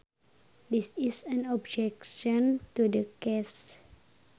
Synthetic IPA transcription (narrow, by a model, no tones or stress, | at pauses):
disisə̃nɔb̚d͡ʒɛkʃɔ̃ntudəkɛs